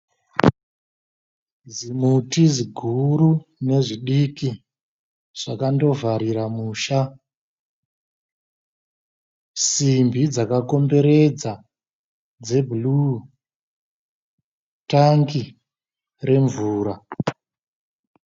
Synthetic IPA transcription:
d͡zimutiziɡʱuɾune̞ʐiɗiki | ʐ̥akando̞vaɾiɾamuːʃa | simbid͡zakako̞mbe̞ɾe̞d͡za | d͡ze̞bʱulu | taŋɡi | re̞ɱvuːɾa

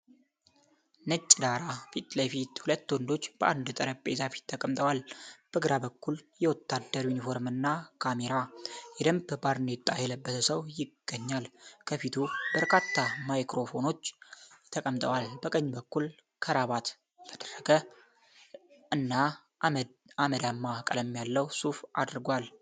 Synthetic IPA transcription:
nɨt͡ʃʼːd̪aɾafit̪ʼləjfit̪hulət̪ːwɔnd̪o̞t͡ʃːb̥əʔand̪t̪ʼəɾəpʼḛzafi̥t̪ʰːəkʼəmt̪ʼəwalb̥əɡɨɾabəkːuljɛwɔt̪ːad̪ːəɾinifo̞ɾmɨnːakʰame̞ɾajɛd̪əmbbaɾnet̪ʼːajɛləbːət̪ʰəsəwjɪɡ̥ːəɲːalkʰəfit̪ʰubəɾkʰat̪ːamajkɾo̞fo̞no̞t͡ʃːt̪ʰəkʼəmt̪ʼəwalbəkʼəɲːbəkːul | kʰəɾaβat̪ | t̪ʰəd̪̥ərːəɡə | ɨnːa | aməd̪amːakʼəlɛmːjalːəwsufa̰d̪ɨɾɡwal

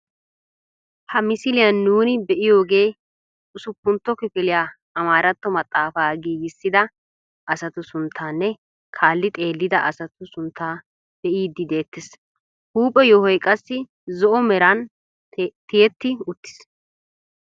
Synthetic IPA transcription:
hɐmɪsɪlɪjɐnːuːnɪbɛʔɪjo̞ːɡe̞ː | ʊsʊpːʊnt̪ːɔkɪfɪlɪjaː | ɐmaːɾɐt̪ːɔmɐt̪ʼːaːfaːɡiːɡɪsːɪd̪ɐ | ʔɐsɐt̪ʊsʊnt̪ʰːaːnːɛ | kʰaːlːɪt̪ʼe̞ːlːɪd̪ɐʔɐsɐt̪ʊsʊnt̪ʰːaː | b̥ɛʔiːd̪ːɪd̪e̞ːt̪ːɪs | huːpʼːɛjɔhɔjkʼɐsːɪ | zɔʔɔmɛɾɐn | t̪ɪjɛt̪ːɪʊt̪ːɪ̥s

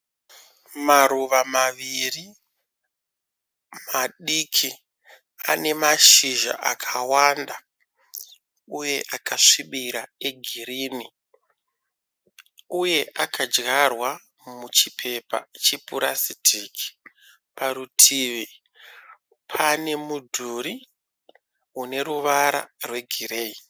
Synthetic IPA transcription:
maɾuʋamaʋiri | maɗikʰi | a̰ne̞maʃiʒa̰ʔa̰kʰawanda | uje̞ʔakaʂiɓiɾae̞ɡʱiɾiːni | uje̞ʔakʰad͡ʒɣarwa | mut͡ʃipʰe̞pa̰t͡ʃipuɾasidʱiki̥ | pʰaɾutʰiːʋi | pʰane̞mudʱuɾi | une̞ɾuʋaɾa̰rwe̞ɡʱireːi

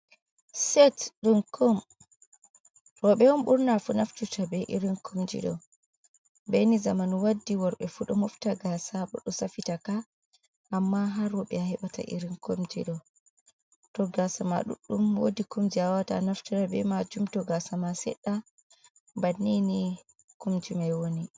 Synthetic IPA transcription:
sɛtɗumkʰɔm | ɾɔɓɛwɔmɓuɾnafunaft͡ʃutʰabɛʔḭɾinkʰomd͡ʒḭɗɔ̰ | bɛnizamanwadːiwɔɾɓɛfuɗɔmɔftaɡasabɔ̰ɗɔsafitaka | ʔamːaɦaɾɔɓɛahɛɓata̰ʔḭɾinkomd͡ʒḭɗɔ | tɔɡasama̰ɗṵɗːumwodikumd͡ʒiawata̰naftaɾabɛmad͡ʒumtɔɡasamasɛ̰ɗːa | banːini | kumd͡ʒimajwoni

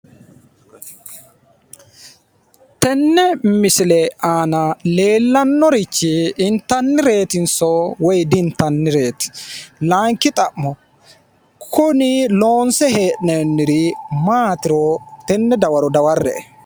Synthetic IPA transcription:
t̪ɛnːɛmɪsɪlɛaːnɐle̞ːlːɐnːɔɾɪt͡ʃːɪːnt̪ːɐnːɪɾe̞ːt̪ɪnsɔwɔjd̪ɪnt̪ːɐnːɪɾe̞ːt̪ɪ̥laːŋkːɪt̪ʼɐʔːɔ | kʰʊnɪloːnsɛɦeːʔnɛnːɪɾɪmaːt̪ɪɾɔt̪ɛnːɛd̪ɐwɐɾɔd̪ɐwɐrːɛʔɛ

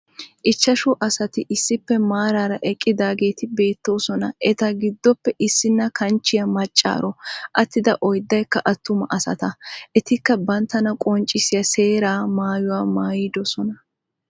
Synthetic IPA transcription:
ʔɪt͡ʃːɐʃʊʔɐsɐt̪ɪʔɪsːɪpːɛmaːɾaːɾɐʔɛkʼːɪd̪aːɡe̞ːt̪ɪbe̞ːt̪ːo̞ːsɔnɐʔɛt̪ɐɡɪd̪ːɔpːɛʔɪsːɪnːɐkɐnt͡ʃːɪjɐmɐt͡ʃʼːa̰ːɾɔʔɐt̪ːɪd̪ɐʔɔjd̪ːɐjkːɐʔɐt̪ːʊmɐʔɐsɐ̰t̪ɐʔɛt̪ɪkːɐbɐnt̪ːɐnɐkʼɔnt͡ʃʼːɪsɪjɐse̞ːɾaːmaːjʊwaːmaːjɪd̪ɔsɔnɐ

